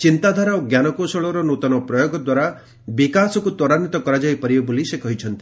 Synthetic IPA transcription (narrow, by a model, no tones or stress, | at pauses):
t͡ʃint̪ad̪ʱaɾaoɡjanɔkosɔɭɔɾɔnot̪ɔnɔpɾɔjoɡɔd̪waɾa | bikasɔkut̪ɔɾanit̪ɔkɔɾad͡ʒajpɔɾibɔbolisekɔɦit͡ʃʰɔnt̪i̥